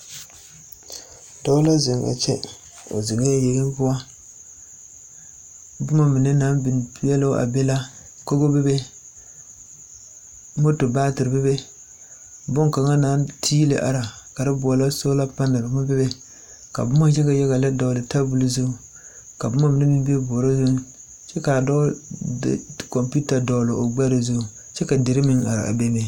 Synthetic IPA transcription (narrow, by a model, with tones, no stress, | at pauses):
dɔ˦la˦zɪ˨ŋɡa̰˨t͡ʃɛ̰˦ | o̰˨zɪ˨ŋa˦ja˦jɛ˨ɡɪ˦bʊ˦a˦ | bʊ˦ma˦mi˨nɨ˦naː˨˦nbi˨n˨˦jɛ˦la˦ʔa̰˨bɛ˦la˦ | ko˦ɡo˦bɛ˦be˦ | mo˦to˨baː˦tɨ˨ɾɨ˨bɛ˦be˦ | bʊ˦ŋka˨ŋa˦naː˨˦ntʰiː˦lɪ̰˨ʔa̰˨ɾa˨ka˨ɾɪ˦bʊ˨ɔ˨la˦so˦la˦pa˦na˨ba˨ma˦bɪ˦be˦ | ka̰˨bʊ˦ma˦d͡ʒɛ˦ka˨ja˦ɣa˨la˦dɔ˨lɪ˨ta˦bu˨lzu˦ | ka˨bʊ˦ma˦mɪ˨ne˦mi˦mbe˦bɔː˨ɾo˦zu˦ | t͡ʃɛ˦ka˨dɔ̰˦ | kɔ˨mpu˦ta˨dɔ˨lɪ˨o˨ɡ͡ba˦ɾe˨zu˦˨ | t͡ʃɛ˦ka˨dɪ˨ɾɪ˦mɪ˦ŋa̰˨ɾa̰˨ʔa̰˨be˦me˨